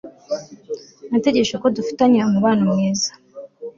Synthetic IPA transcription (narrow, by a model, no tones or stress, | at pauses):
nate̞ɟe̞ʃakodufi̥taɲeomuβaːnamŋeːzḁ